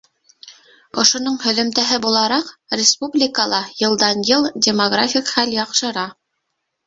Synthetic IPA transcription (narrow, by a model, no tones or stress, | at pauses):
ŏʃŏnoɴhɵ̆ðɵ̆mt̪æɦɘbulˠɑɾɑqrʲɪspublʲɪkəlˠɑjɤ̆lˠd̪ɑnjɤlˠdʲɪmoɡrafʲikχæljɑqʃɤ̆ɾɑ